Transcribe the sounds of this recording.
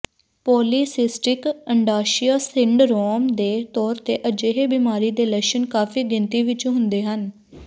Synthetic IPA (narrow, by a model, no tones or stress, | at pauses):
pɔːliːsɪsʈɪkəɳɖaːʃiaːsɪɳɖɾɔːmd̪eːt̪ɔːɾt̪eːʔəd͡ʒeːɦeːbiːmaːɾiːd̪eːləkʃənkaːfʰiːɡɪnt̪iːʋɪt͡ʃõɦʊnd̪eːɦən